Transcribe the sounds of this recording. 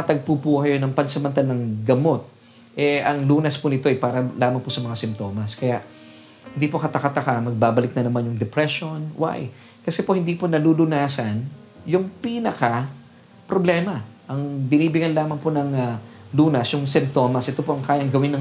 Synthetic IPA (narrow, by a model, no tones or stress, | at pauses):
ɐt̪ɐɡ̚pupuːhɐjonɐŋpɐnsɐmɐnt̪alɐŋɡɐmo̞t̪̚ | ʔɛʔɐŋluːnɐsponɪt̪o̞ʔɐjpaːɾɐlaːmɐŋposɐmɐŋasɪmt̪o̞ːmɐskɐjaʔ | hɪnd̪ipo̞kɐt̪ɐkɐt̪ɐkamɐɡ̚baːbɐlɪk̚nɐnɐmanjʊŋd̪ɛpɾɛʃo̞nwʔa̰j | kɐsɛpo̞hɪnd̪iːponɐluːlʊnaːsɐn | jʊŋpinɐka | pɾoblɛːmɐʔɐŋbɪniːbɪɡɐnlaːmɐŋponɐŋɐluːnɐsjʊŋsɪmpt̪o̞mɐsʔɛt̪o̞poʔɐŋkaːjɐŋɡɐwɪnɐ